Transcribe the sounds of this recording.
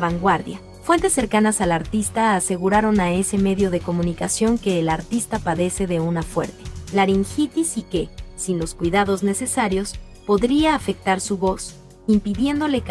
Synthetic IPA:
βaŋɡwaɾðja | fwe̞nt̪e̞sːe̞ɾkanasalaɾt̪ist̪aːse̞ɣuɾaɾo̞nae̞se̞me̞ðjo̞ðe̞ko̞mũnikasjo̞ŋke̞ːlaɾt̪ist̪apaðe̞se̞ðe̞unafwe̞̰ɾt̪elaɾiŋxit̪isikesinlo̞skwiðaðo̞zne̞se̞saɾjo̞s | po̞ðɾiaːfe̞k̚t̪aɾsuβo̞s | impiðje̞nd̪o̞le̞k

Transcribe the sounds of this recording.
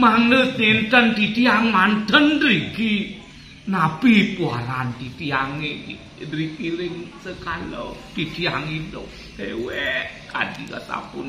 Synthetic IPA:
maŋnət̪nent̪ənt̪it̪iaŋmant̪əndɾiɡi | napipua̰lant̪it̪iaŋei | dɾikiɾɪŋsəkalo̰t̪itiaŋidɔ̰k̚ | eweka̰dḭka̰sa̰pʊn

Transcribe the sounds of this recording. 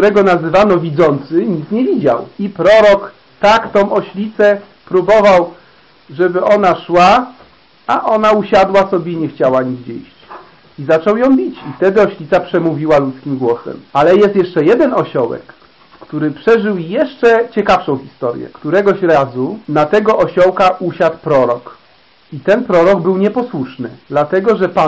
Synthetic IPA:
k̚t̪uɾɛɡɔnazɘvanɔvʲid̪zɔnt̪sɘɲit̪sɲɛvʲid͡ʑa̰wipɾɔɾɔk | t̪akt̪ɔ̃w̃ʔɔɕlʲit̪sɛ | pɾubɔvaw | ʐɛbɘʔɔnaʂwa | aʔɔnauɕad̪wasɔbʲjeiɲɛxt͡ɕawaɲiɣd͡ʑɛ̰jɕt͡ɕ | izat͡ʂɔwjɔ̃w̃bʲit͡ɕift̪ɛd̪ɘɔɕlʲit̪sapʂɛmuvʲiwalut̪skʲimɡwɔsɛ̰malɛjɛst̪jɛʂt͡ʂɛjɛd̪ɛnɔɕɔwɛ̰k | kt̪uɾɘpʂɛʐɘwjɛʂt͡ʂɛt͡ɕɛkafʂɔ̃w̃xʲist̪ɔɾjɛ̰kt̪uɾɛɡɔɕɾazunat̪ɛɡɔʔɔɕɔwkaʔuɕat̪̚pɾɔɾɔk | it̪ɛnpɾɔɾɔɡbɘwɲɛpɔswuʂnɘ̰d̪lat̪ɛɡɔʐɛpa

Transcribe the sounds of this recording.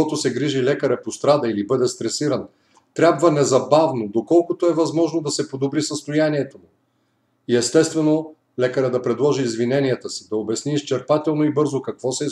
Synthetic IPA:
ɔt̪osɛɡɾiʒilɛkəɾɛpost̪ɾad̪ɐilibɤd̪ɛst̪ɾɛsiɾən | t̪ɾʲabvənɛzɐbavnod̪okɔlˠkʊt̪oɛvɐzmɔʒnod̪ɐsɛpod̪obɾisəst̪ojaniɛt̪omu | iɛst̪ɛst̪vɛno | lɛkəɾəd̪ɐpɾɛd̪lˠɔʒiːzvinɛniət̪əsi̥d̪ɐobɛsniːst͡ʃɛɾpat̪ɛlˠnoibɤɾzokɐkv̥ɔsɛ

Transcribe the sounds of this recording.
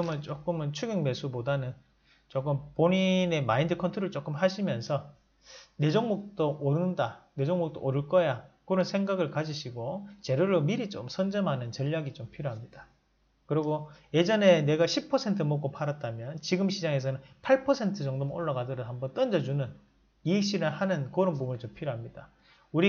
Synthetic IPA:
ɯmɯnt͡ɕ͈ok͈ɯmɯnt͡ɕʰuɡiŋme̞sʰubodanɯn | t͡ɕ͈ok͈ɯmpoɲine̞maindɯkʰʌntʰɯɾɯɭt͡ɕ͈ok͈ɯmhaɕʰimjʌnsʰʌ | ne̞d͡ʑʌŋmok̚t͈ooɾɯndane̞d͡ʑʌŋmok̚t͈oʔoɾɯɭk͈ʌjakɯɾʌnsʰeŋɡaɡɯɭkad͡ʑiɕʰiɡot͡ɕe̞ɾuɾomiɾit͡ɕomsʰʌnd͡ʑʌmɦanɯnt͡ɕʌʎːaɡit͡ɕompʰiɾjoɦamɲida | kɯɾiɡoje̞d͡ʑʌne̞ne̞ɡaɕʰipʰʌsʰe̞ntʰɯmok͈opʰaɾat̚t͈amjʌnt͡ɕiɡɯmɕʰid͡ʑaŋe̞s̬ʰʌnɯnpʰaɭpʰʌsʰe̞ntʰɯt͡ɕʌŋdomo̰ɭːaɡadɯɾʌhambʌnt͈ʌnd͡ʑʌd͡ʑunɯn | iɕ͈ʰiɾɯɭhanɯnkɯɾʌnpubunit͡ɕompʰiɾjoɦamɲida | uɾi

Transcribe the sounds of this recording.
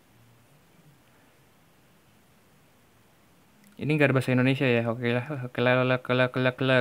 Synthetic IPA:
ḭniŋɡaɾbasaindonesiajaɦokelaokelalolakəlaklaklə

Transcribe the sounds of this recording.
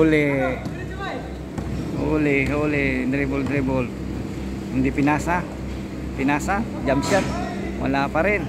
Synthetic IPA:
ole | oleolend̪ɾebuld̪ɾebɔl | ndipinasa | pinasa | d͡ʒamsat̪̚ | ma̰lapaɾɛn

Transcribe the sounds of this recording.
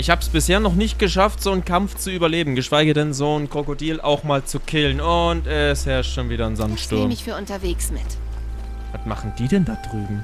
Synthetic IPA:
ʔɪçhaːbəsb̥ɪsheːɐnɔχnɪçt̚ɡ̥əʃaftz̥oːnkʰamft͡suʔyːbɐleːbm̩ɡəʃv̥aɪɡədɛnzoːnkʁ̥okodiːlʔa̰ʊxmaːlt͡sukʰɪlnʊntɛshɛɐʃtʃoːnviːɾɐnzantʃtʊɐmmɪçfyːɐʔʊntɐveːksmɪ̰t | vatma̰χn̩d̥iːdɛndad̥ʁyːbm̩

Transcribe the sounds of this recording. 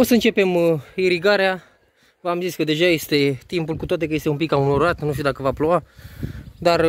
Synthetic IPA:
osəɨnt͡ʃe̞pe̞miɾiɡaɾea | vamzit̪sʲkəd̪e̞ʒaje̞st̪e̞t̪impulkut̪oat̪e̞kəjest̪eumpikaunoɾat̪nuʃt̪iud̪akəvaploa | d̪ar

